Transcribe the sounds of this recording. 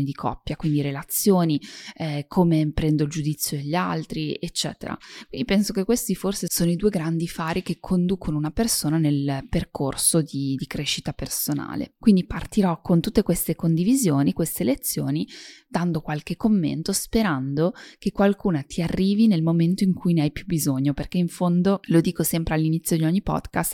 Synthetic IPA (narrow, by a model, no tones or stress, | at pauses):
nid̪ikʰɔ̰pːjakwind̪iɾelat̪sːjoːniɛkʰoːmepɾɛnd̪oild͡ʒud̪it̪sːjod̪eʎːa̰lt̪ɾiet͡ʃːɛ̰ːt̪ḛɾa̰kwwind̪ipɛnsokekwest̪iforsesoːnoid̪uːeɡɾand̪ifaːɾik̟ekʰːond̪uːkʰonounapersoːnanelperkʰorsod̪id̪ikɾeːʃit̪apersona̰ːlḛkwind̪ipart̪iɾɔkʰont̪ut̪ːekwest̪ekond̪ivizjoːnikwest̪elet̪sːjoːnid̪and̪okwalkekːomːḛnt̪ospeɾand̪okekːwalkuːnat̪ʰiarːiːvinelmoment̪oiŋkʰujneajpjubizoɲːoperkeiɱfond̪olod̪iːkosɛmpɾealːinit̪sːjod̪iɔɲːipɔ̰d̪kast̪